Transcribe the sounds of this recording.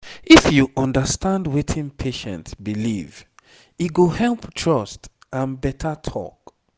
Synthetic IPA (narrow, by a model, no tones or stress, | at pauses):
ifjuʔɔ̃ndəstʰãndwetʰĩnpʰeʃɛ̰̃ntsbilḭv | iɡohɛlptʰɹɔst | ãnbɛtʰətʰɔ̰k